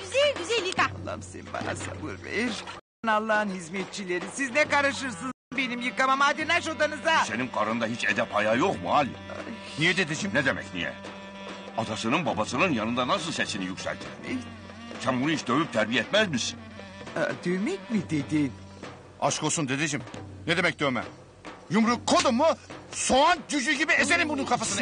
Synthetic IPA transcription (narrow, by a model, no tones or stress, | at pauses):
yzælɡʲyzælʲːikalˠːa̰msɛ̰nba̰na̰sa̰bɯ̰ɾvḛɾ | nalˠːaːnɦizmet̪̚t͡ʃʰilʲeɾisiznɛkaɾɯʃɯɾsɯn | be̞nimjɯkamamaːd̪enaʃod̪anɯzase̞nimkʰaɾɯnd̪aɦit͡ʃʰed̪ɛpʰajajoqmuhalʲia | nijɛd̪ed̪id͡ʒimnɛd̪emɛ̰cnḭjɛ̰ | ɑd̪asɯnɯnbabasɯnɯnjanɯnd̪anasɯlˠsesinijycʲsæ̰lʲt̪ʰiɾebḛ | sænbunuhit͡ʃd̪ø̞vyp̚t̪ʰæɾbijɛɛt̪mæzmisi̥n | d̪øjmɛcmid̪ed̪i | a̰ʃkʰosund̪ed̪id͡ʒimnɛd̪emɛc̚d̪øːmæ̰m | jumɾukʰːod̪omːusoand͡ʒyd͡ʒyɟibiezeɾʲimbununkʰafasɯn